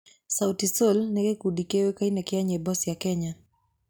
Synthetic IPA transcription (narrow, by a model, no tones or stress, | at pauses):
sawtisolnɛkekudikewekainɛkeaɲɛbɔsjakɛɲa